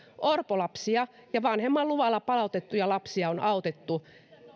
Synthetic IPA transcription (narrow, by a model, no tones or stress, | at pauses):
ʔorpolɑpsiɑjɑʋɑnhemːɑlluʋɑlːɑpɑlɑˑut̪et̪ːujɑlɑpsiɑonɑˑout̪et̪ːu